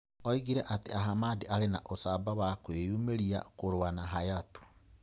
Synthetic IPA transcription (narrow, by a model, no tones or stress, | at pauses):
ɔiɣiɾɛʔateaɦamadiʔaɾenaʔosabawakwejumeɾia̰koɾwanaɦajatu̥